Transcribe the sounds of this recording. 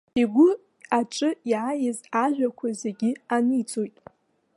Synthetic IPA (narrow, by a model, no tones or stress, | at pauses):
iɡʷʊ | aʈ͡ʂʼɨiʕajɪzaʒʷᶣakʷʰazeɡʲɪanit͡sʼojtʼ